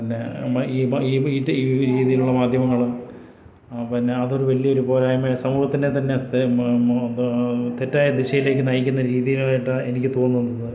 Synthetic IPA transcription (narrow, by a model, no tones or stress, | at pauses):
pinːe̞iːiːiːiːɾiːðijiluɭːɐmaːd̪ʱjɐmɐŋːɐɭm | pinːe̞ɐðo̞ɾuʋɐɭːijɐoɾupo̞ːɾaːjmesɐmuːhɐt̪ːinːet̪ɐnːe̞ | t̪etːaːjɐd̪iɕɐjile̞ːk̬ʲːɨnɐjikʲːunːɐɾiːðijilaːjiʈːɨe̞nik̬ʲːɨt̪o̞ːnːuʋnːɐðɨ